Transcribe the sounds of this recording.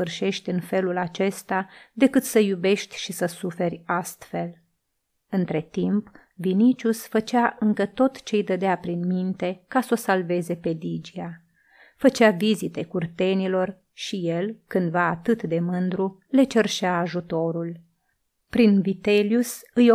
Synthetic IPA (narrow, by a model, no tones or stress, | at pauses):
ɨrʃe̞ʃt̪ʲɨnfe̞lulat͡ʃe̞st̪ad̪e̞kɨt̪səjube̞ʃt̪ʲʃisəsufe̞rʲast̪fe̞l | ɨnt̪ɾe̞t̪imp | vinit͡ʃusfət͡ʃaʔɨŋkət̪o̞t̪t͡ʃe̞jd̪əd̪eapɾinmint̪e̞kaso̞salve̞ze̞pe̞d̪id͡ʒia | fət͡ʃavizit̪e̞kurt̪e̞nilo̞r | ʃije̞lkɨnd̪vaːt̪ɨt̪d̪e̞mɨnd̪ɾu | le̞t͡ʃerʃeaːʒut̪o̞ɾul | pɾinvit̪e̞ljusɨj